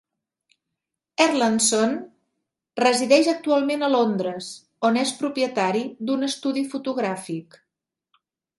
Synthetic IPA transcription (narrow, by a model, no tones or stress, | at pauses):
əɾlanson | rəziðɛʒək̚t̪ualˠmenəlond̪ɾəz | onespɾupjət̪aɾid̪unəst̪uðifut̪uɣɾafik